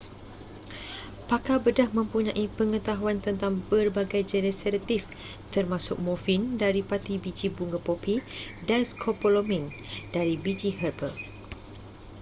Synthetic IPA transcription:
pakabədahmə̃mpuɲãʔipəŋət̪aɦuant̪ənt̪aŋbərbaɡajd͡ʒɛnəsaɾat̪if | t̪ərmãsʊk̚mofindaɾipat̪ibid͡ʒibuŋɡəpopidanskʰopolomĩndaɾibid͡ʒihərbəl

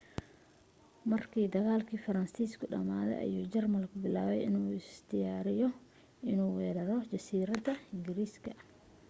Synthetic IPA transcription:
mɐrkʰiːd̪ɐɣaːlkʰiːfɐɾɐnsiːskʰʊɖɐ̰maːðɛ̰jʔɐ̰juːt͡ʃɛrmɐlkʰʊbɪlaːβɛ̰jɪnuːɪst̪ʰɪjaːɾɪjɔ | ʔɪnuːwɛːɾɐɾɔt͡ʃɐsiːɾɐd̪ɐɪŋɡɪɾiːskʰɐ

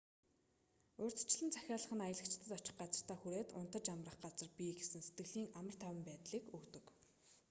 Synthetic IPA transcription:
ɵːrʲt͡s̪̆ʰt͡ɕɪ̆ɮɘ̆nt͡sʰæxʲaːɮə̆χə̆najə̆ɮə̆kt͡ɕʰɪ̥t̪ə̆t̪ɔt͡ɕɪ̆χɢat͡sə̆r̥t̪ʰaːxuɾeːt̪ʊ̰nt̪ə̆t͡ɕamrə̆χɢat͡sə̆rpʲiɡesɘ̆nset̪̚ɡɘ̆ɣɮiːŋamə̆r̥t̪ʰæwʲɪ̆mpæːt̪ɮiːkɵkt̪ɵ̆k

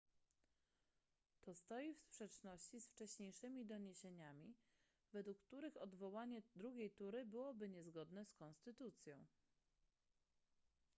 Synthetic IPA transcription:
t̪ɔst̪ɔjifspʂɛt͡ʂnɔɕt͡ɕisft͡ʂɛɕɲejʂɘmʲid̪ɔɲeɕeɲamʲi | vɛd̪wukːt̪uɾɘxɔd̪vɔwaɲɛd̪ɾuɡʲejt̪uɾɘbɘwɔbɘɲɛzɡɔd̪nɛskɔnst̪ɘt̪ut̪sʲjɔ̃w̃

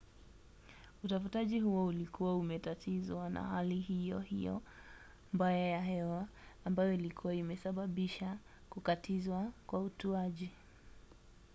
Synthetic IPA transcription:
utafutaʄihuwɔulikuwaumɛtatʰizwana̰haliɦijɔhḭjɔ̰ | mbajajaɦɛwaː | mbajɔilikʰuwaimɛsaɓaɓiʃa | kukatʰizwakwautuaʄi

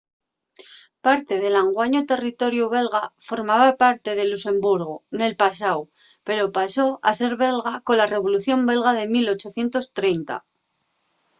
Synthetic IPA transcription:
paɾt̪e̞ðe̞laŋɡwaɲot̪e̞rit̪o̞ɾjuβ̞e̞lɣafo̞ɾmaβapaɾt̪e̞ðe̞luse̞mbuɾɣ̞one̞lpasawpe̞ɾo̞paso̞ase̞ɾβe̞lɣako̞nlare̞βo̞luθjo̞mbe̞lɣaðe̞milo̞t͡ʃo̞θje̞nt̪o̞st̪ɾe̞jnt̪a̰

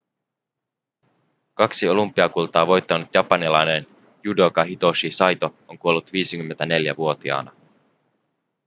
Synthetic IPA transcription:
kɑksio̞lumpːˑiɑkult̪ɑːʋo̞jt̪ːɑnut̪jɑpɑnilɑjne̞n | judo̞kɑɦit̪o̞ʃisɑjt̪o̞oŋkuo̞lːut̪ʋiːsikymːent̪æne̞ljæʋuo̞t̪iɑ̰ːnɑ

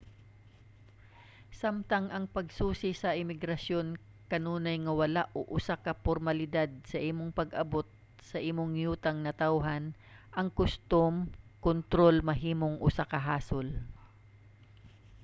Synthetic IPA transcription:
samt̪ɐŋʔɐŋpɐɡsuːsɪsɐʔɪmɪɡɾɐsjo̞n | kɐnuːnɐjŋɐwɐlaʔoʔʊsakɐpoɾmɐlɪd̪ad̪̚sɐʔiːmoŋpɐɡʔɐbo̞t̪̚ | sɐʔiːmoŋjuːt̪ɐŋnɐt̪awɦɐn | ʔɐŋkʊst̪omkont̪ɾo̞lmɐɦiːmoŋʔʊsakɐɦaːsol

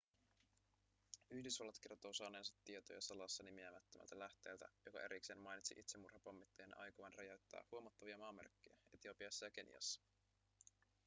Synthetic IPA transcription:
yhdysʋɑlːɑt̪ke̞rt̪oːsɑːne̞ːnsɑt̪ːiet̪o̞jɑsɑlɑsːɑnimiæmæt̪ːømʔæ̰lt̪ælæht̪e̞ːlt̪æ̰jo̞kɑ̰e̞ɾikse̞ːnmɑjnit̪siʔit̪semurhɑpɑmːit̪ːejenʔɑ̰jkoʋɑnrɑjoɥt̪ːæ̰ːhuomɑt̪ːɑʋiɑmɑːmerkːejæet̪io̞piɑsːɑjɑk̟e̞njɑ̰sːɑ̥

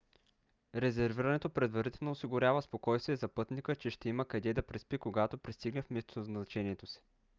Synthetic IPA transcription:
ɾɛzɛɾviɾənɛt̪opɾɛd̪vɐɾit̪ɛlˠnoːsiɡʊɾʲjavəspokɔjst̪viɛzɐpɤt̪nikət͡ʃɛʃt̪ɛiməkɐd̪ɛd̪ɐpɾɛspikoɡat̪opɾist̪iɡnɛfmɛst̪onɐznnɐt͡ʃɛniɛt̪osi̥

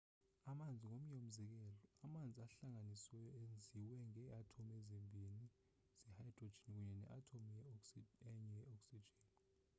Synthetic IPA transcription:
amand͡zʱiŋom̩jom̩zɛk̬ɛːlɔamand͡zʱiaɬaŋaniswɛjɔend͡zʱiwɛŋɛatʰomɛzembʱini | sɛhajid̥ro̥d͡ʒʱinik̬uɲɛnɛ̰ʔatʰomjɛɛɲɛjɛɔksid͡ʒʱɛːni

